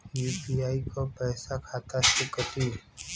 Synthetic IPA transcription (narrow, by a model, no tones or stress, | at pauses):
juːpiaːikopɛːsakʰaːt̪asɪkət̪i